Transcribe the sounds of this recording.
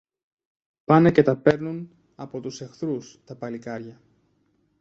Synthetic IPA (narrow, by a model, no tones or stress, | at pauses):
pɐnɐce̞t̪ɐpe̞ɾnun | ɐpo̞t̪use̞xθɾust̪ɐpɐlikɐɾʝɐ